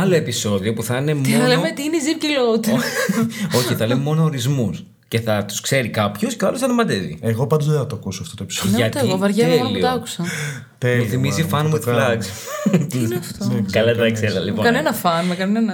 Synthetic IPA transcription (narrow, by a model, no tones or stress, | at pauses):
ɐlo̞episo̞ðio̞puθɐnemoɐlemet̪iineizipcilot̪i | o̞çiθɐlememo̞no̞oɾizmus | ce̞θɐt̪u̥skse̞ɾikɐpço̞sceɐlosθɐnɐmɐd̪evḭeɣo̞pɐnd̪ozðeθɐt̪oɐkusoɐft̪ot̪opi̥sonɐt̪ːɣovɐɾʝɐelit̪ɐɐku̥sɐ | t̪euθimizifɐnwuðllɐks | ɐft̪okɐlɐd̪ɐkseðɐlipokɐnenɐfɐnmɐkɐnenɐ